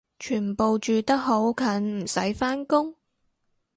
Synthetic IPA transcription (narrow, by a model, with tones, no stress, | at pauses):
t͡ʃʰyː˨˩npo˨wt͡ʃyː˨t̪ɐ˥k̚ɦo˨˥wkʰɐ˨˧˥nm̩˨˩sɐ̰˨˥jfaː˥nkʊ˥ŋ